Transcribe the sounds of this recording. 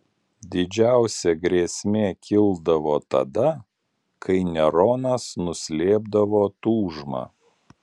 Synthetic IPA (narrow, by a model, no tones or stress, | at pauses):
d̪ʲɪd͡ʒʲæˑʊsʲɛɡɾʲeːsʲmʲeːkʲɪlˠd̪ɐʋoːt̪ɐ̰d̪ɐ | kʰɐɪnʲɛɾoːnɐsnʊsʲlʲeːb̚d̪ɐʋoːt̪uːʒmɑ̰ː